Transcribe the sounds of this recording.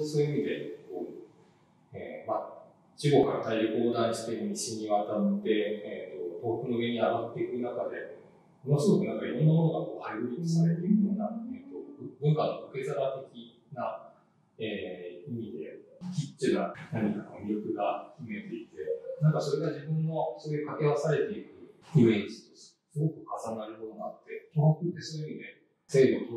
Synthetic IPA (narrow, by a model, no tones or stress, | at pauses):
so̞ːjɯimʲid̪e̞koː | ḛːma | t͡ɕiɡo̞kaɾa̰t̪aiko̞ːd̪ãɰ̃ɕi̥t̪e̞mʲiɕiɲiβat̪at̪ːe̞et̪ːo̞t̪o̞ːkɯ̟no̞ɡẽ̞ɲiaɡat̪ːe̞ikɯɯ̟nakad̪e̞ | onosod̪okɯnãŋkaiɾõ̞nːojo̞ːɡ̪akoːhajɯɾʲiisaɾe̞t̪eɯ̟joːnaet̪o̞bɯ̟̃ŋkanːooke̞zaɾat̪e̞kʲi | na | eːimʲid̪e̞kʲit͡ɕɨnanaɲ̟ikakomʲiɾʲokɯ̟ɡakʲime̞t̪e̞it̪e̞nãŋkaso̞ɾe̞ɡad͡ʑibɯ̟̃nːosoekake̞βasaɾe̞t̪e̞ikɯ̟ɯẽɲd͡ʑi̥t̪os | sɨɡo̞kɯ̟kʰasanaɾɯ̟kod̪oɡaːt̪ːe̞t̪ohokɯt̪ːe̞sonoimid̪e̞ | se̞ːd̪o